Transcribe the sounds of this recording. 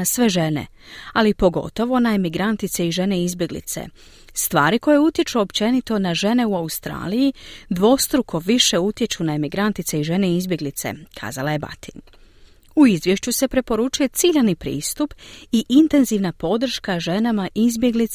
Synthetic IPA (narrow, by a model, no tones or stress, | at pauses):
asʋe̞ʒe̞ne̞̰ | alipo̞ɡo̞̰t̪o̞ʋo̞naemiɡɾant̪it̪se̞iʒe̞ne̞izbʲje̞ɡlḭt̪se̞̰ | st̪ʋaːɾiko̞je̞ut̪je̞t͡ʃuopt͡ʃe̞nit̪o̞naʒe̞ne̞uaust̪ɾa̰ːlijid̪ʋo̞st̪ɾukʰo̞ʋiʃe̞ut̪je̞t͡ʃunae̞miɡɾant̪it̪seiʒe̞neizbje̞ɡlit̪se̞̰kʰa̰ːzalajeba̰t̪ʰin | uizʋje̞ʃt͡ɕuse̞pɾe̞po̞ɾut͡ʃuje̞t̪siʎanipɾḭːst̪upiʔint̪e̞nziʋnapo̞d̪r̩ʃkaʒe̞namaʔizbje̞ɡlit̪